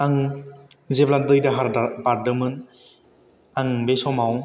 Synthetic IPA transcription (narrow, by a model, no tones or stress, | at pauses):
aŋ | zeblandɯjdaɦaɾabaɾdɯmɯn | aŋbesɔmawŋ